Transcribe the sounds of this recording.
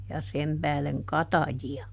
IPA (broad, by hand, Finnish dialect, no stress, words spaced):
jɑ sem pæːleŋ kɑtɑjiɑ